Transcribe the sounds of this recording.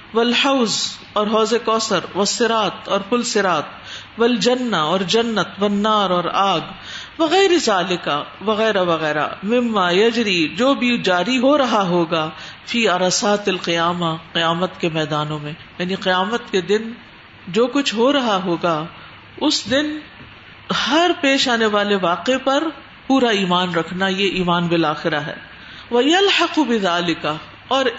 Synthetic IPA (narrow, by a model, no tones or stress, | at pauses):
ʋɐlħɐʊz | ɔːɾɦɔːzekɔːsəɾʋɐsːɪɾaːt̪ɔːɾfʊlsɪɾaːt̪ʋɐld͡ʒɐnːaɔːɾd͡ʒɐnːət̪ʋɐnːaːɾɔːɾaːɡ | ʋɐɣɛːɾezaːlɪkaʋɐɣɛːɾaʋɐɣɛːɾa̰mɪmːaːjɐd͡ʒɾid͡ʒoːbʱid͡ʒaːɾiɦoɾɐɦaɦoːɡaːfiːɐɾɐsaːt̪ɐlqɪjaːmaqɪjaːmət̪kemɛːd̪aːnõmẽjaːniqɪjaːmət̪ked̪ɪn | d͡ʒoːkʊt͡ʃʰɦoɾɐɦaɦoːɡaː | ʊsd̪ɪn | hɐɾpeːʃaːneʋaːleʋaːqepɐɾ | puːɾaiːmaːnɾɐkʰnajeʔiːmaːnbɪlaːxɪɾaɦɛ̰ː | ʋɐjɐlħɪqbɪðaːlɪkɐ | ɔːɾ